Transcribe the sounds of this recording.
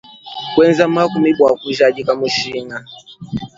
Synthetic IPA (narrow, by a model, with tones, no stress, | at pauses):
kwɛ˦nza˦ma˦ku˨mi˦ɓwa˨ku˨ʒa˨ʄi˦ka˨mu˨ʃi˦na˨